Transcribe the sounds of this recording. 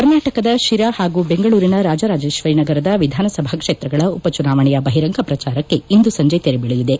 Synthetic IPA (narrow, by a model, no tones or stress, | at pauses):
kɐɾnaːʈɐkɐd̪ɐʃiɾahaːɡuːbe̞ŋɡɐɭuːɾinɐɾaːd͡ʒɐɾaːd͡ʒe̞ːʃʋɐjnɐɡɐɾɐd̪ɐʋid̪ʱaːnɐsɐbʱaːkʂeːt̪ɾɐɡɐɭɐupɐt͡ʃunaːʋɐɳɛjɐbɐɦiɾɐŋɡʰɐpɾɐt͡ʃaːɾɐkːe̞ind̪usɐɲd͡ʒet̪eɾebiɭijid̪e